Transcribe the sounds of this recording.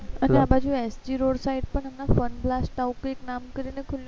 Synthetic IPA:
əneabʱad͡ʑũesd͡ʑiɾoɽsaiʈ̚pəɳəmnafənblasʈaukeknamkəɾinekʰulj

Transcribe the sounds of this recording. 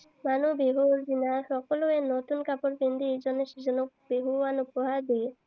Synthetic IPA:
manubeɦuɾzinasɔkɔloɛnot̪unkapɔɾpind̪ʱiejd͡ʒɔneʃizɔnɔk̚ | beɦuanupɔɦaɾd̪i

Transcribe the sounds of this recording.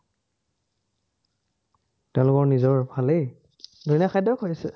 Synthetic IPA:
tɛʊ̃lʊkɔɹnizɔɹbʱalej | doinakʰajdɔkʰojsɛ̰

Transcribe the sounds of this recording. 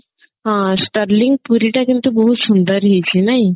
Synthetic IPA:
ɦãsʈaɾliŋpuɾiʈakint̪uboɦuʃund̪aɾɦejt͡ɕʰinaj

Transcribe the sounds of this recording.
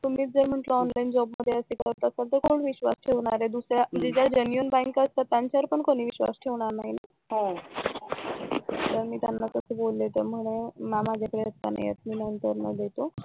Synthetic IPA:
t̪um̤iːd͡zəɾm̤əʈləɔnlaind͡ʑɔbməd̪ʱːjeəsekəɽt̪ːəsalt̪əkʰoɽʋiɕʋa̰sʈʰeʋɳ̃aɾed̪usɾjam̤əd͡ʑed͡ʑaɾd͡ʑənijunbãŋkəst̪at̪ːjaɲt͡ɕaəɾpəɳkoɽ̃iːʋiɕʋa̰sʈʰeʋɳ̃aɾnaɦina | ɦo | t̪əɾmiːt̪ja̰nːasəsebolːet̪əɾm̤əɽ̃emamad͡ʑʱapɾeət̪ːa̰na̰jḛt̪miːnənt̪əɾnə̰d̪et̪o

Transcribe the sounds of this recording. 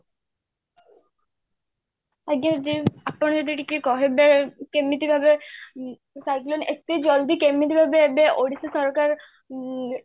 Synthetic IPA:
aɡɲad͡ʒd̪iapːɔɳ̃d͡ʒɔd̪iʈikekɔɦebekemːit̪ibʱabe | sajklonek̚t̪id͡ʒɔld̪ikemːit̪̬ibʱabebeoɽisesɔɾkaɾ

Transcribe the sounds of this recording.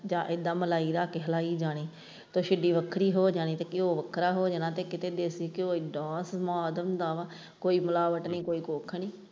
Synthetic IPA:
d͡ʒãːʔɪd̪aːməlaːiːɾaːkeːɦəlaːiːd͡ʒaːɽ̃iː | t̪õːʃɪɖiːʋəkʰɾiːɦoːd͡ʒaːɽ̃iːt̪əkːɪoːʋəkʰɾaːɦoːd͡ʒanãːt̪eːkɪt̪eːd̪eːsiːkɪoːiːɖãːsmoaːd̪əmd̪aːʋa | koːiːmʊlaːʋəʈniːkoːiːkoːkʰːɳiː

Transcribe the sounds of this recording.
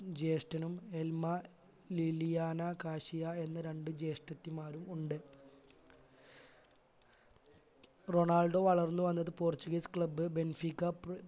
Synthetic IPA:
d͡ʑe̞ːʂʈɐnume̞lmɐ | lilijaːnɐkaːɕijɐe̞nːɐɾe̞ɳɖɨd͡ʑe̞ːʂʈɐt̪ːimaːɾumuɳɖɨ | ro̞ɳaːlɖo̞ʋɐɭɐrnːɨʋɐnːɐðɨpoːrt͡ɕːuɡɐjskɭɐbːɨbe̞nfikːɐ

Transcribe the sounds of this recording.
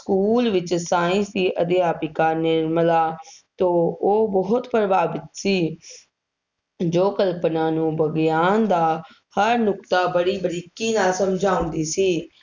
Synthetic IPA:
skuːlʋɪt͡ʃsaːɪ̃nsd̪iːʔəd̪eːaːpiːkaːɾnɪɾmlaːt̪õːoːbɔɦʊt̪pəɾəbaːbɪt̪siː | d͡ʒoːkəlpnãːnũːbəɡjaːnd̪aː | həɾnʊkt̪aːbəɽiːbəɾiːkiːnaːsəmd͡ʒʱãːʊ̃nd̪iːsiː

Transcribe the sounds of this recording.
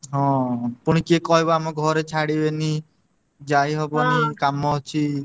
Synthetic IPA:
ɦɔ̃puɽ̃ikekɔɦebɔamɔɡʱɔɾet͡ʃʰaɽibeni | d͡ʒajɦɔbɔnikamɔɔt͡ʃʰi

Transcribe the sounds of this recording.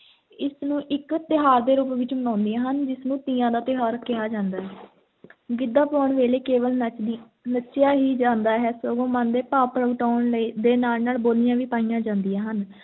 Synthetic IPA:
ɪsnũːʔɪkt̪ɪɦaːɾd̪eːɾuːpʋɪt͡ʃmənãːnd̪iãːɦənd͡ʒɪsnũːt̪iːãːd̪aːt̪ɪɦaːɾkɪjaːd͡ʒãːnd̪aːɦɛː | ɡɪd̪ːaːpɔːɳʋeːleːkeːʋəl | nətːʃjaːɦiːd͡ʒãːnd̪aːɦɛːsoːɡõːmãnd̪eːpaːpɾəɡʈaːɳləiːd̪eːnaːlnaːlboːlɪjãːʋiːpaːijãːd͡ʒãːnd̪ijãːɦən

